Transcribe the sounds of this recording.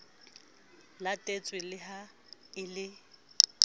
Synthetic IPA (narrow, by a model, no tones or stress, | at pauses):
latʼet͡sʼwɪlɪɦa | ɪlɪ